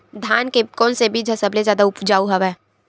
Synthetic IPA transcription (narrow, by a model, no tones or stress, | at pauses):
d̪ʱjaːnkekɔːlsebʱid͡ʒʱɐsəblezjaːd̪aʊpd͡ʒaːuɦɐʋɛː